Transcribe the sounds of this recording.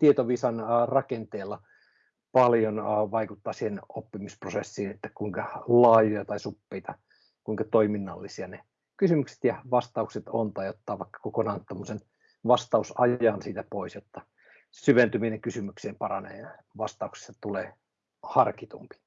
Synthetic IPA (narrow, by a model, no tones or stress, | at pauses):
t̪iet̪oʋiːsɑnːrɑkent̪eːlːɑ | pɑljonːʋɑikut̪ːɑːsiːhenopːimisprosesːiːnet̪ːæ̥kuiŋkɑlɑːjojɑt̪ɑisupːeit̪ɑ | kuiŋkɑt̪oiminːɑlːisiɑne | kysymykse̥t̪jɑʋɑst̪ɑukset̪ont̪ɑijot̪ːɑːʋɑikːɑ̥kokonɑːnt̪t̪ːomːosen | ʋɑst̪ɑusɑjɑnsiːt̪æpoisjot̪ːɑ | syʋent̪yminɑkysymykseːmpɑrɑnḛːɑ | ʋɑst̪ɑuksi̥st̪ɑt̪uleː | hɑrkit̪ṵmpi̥